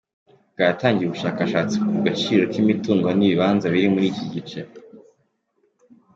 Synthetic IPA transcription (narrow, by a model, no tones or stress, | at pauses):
bɡataːŋɡijuβuʃaːkaʃaːt͡sikuɡat͡ʃiːɾo̞kimituːŋɡoniβiβaːnzaβiɾimuɾiːciɟit͡ʃe